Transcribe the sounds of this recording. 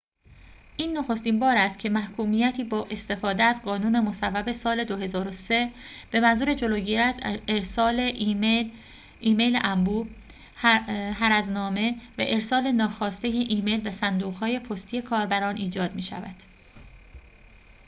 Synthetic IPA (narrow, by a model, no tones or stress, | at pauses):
ʔiːnːoxo̞st̪iːnbɒːɾæst̪̚cʰe̞mæhkʰuːmiːjæt̪ʰiːbɒːʔe̞st̪e̞fɒːd̪eæzɢɒːnuːne̞mo̞sævːæbe̞sɒːle̞d̪oɦe̞zɒːɾose̞b̥e̞mænzuːɾe̞d͡ʒo̞loːɟiːɾæzeɾsːle | iːme̞jlḛʔæmbuː | ɦæɾæznɒːme̞væ̰ʔe̞ɾsɒːle̞nɒːxɒːst̪e̞jeʔiːme̞jlvæsænd̪uːɣhɒːje̞pʰost̪ʰije̞kʰɒːɾbæɾɒːnʔiːd͡ʒɒːd̪miːʃæ̰væ̰d̪̥